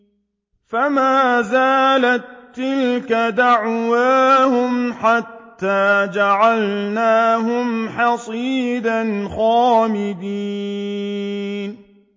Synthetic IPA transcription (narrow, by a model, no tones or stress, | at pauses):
famaːzaːlat̪ːɪlkad̪aʕwaːhʊmħat̪ːaːd͡ʒaʕalnaːɦʊmħɑsˤiːd̪anxaːmɪd̪iː | n